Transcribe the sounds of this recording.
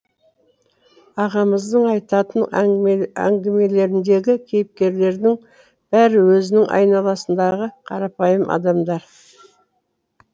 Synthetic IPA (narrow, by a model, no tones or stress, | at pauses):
ɑʁɑməzd̪əɴɑjt̪ɑt̪ən | æ̰ŋɡʲɪme̞le̞ɾɪnd̪e̞ɡʲɪkʲʰe̞jɪp̚kʲe̞ɾle̞ɾd̪ɪŋ | b̥æɾɪwɵzɪnɪŋʔɑ̰jnɑlˠɑsənd̪ɑʁəqʰɑɾɑpɑjəmʔɑ̰d̪ɑmd̪ɑɾ